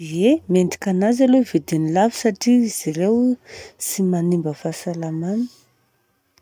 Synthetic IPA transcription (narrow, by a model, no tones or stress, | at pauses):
emenɖ͡ʐi̥kʲanazalovid̪inilavi̥saʈ͡ʂiiz̥irewsimanimbəfasalamani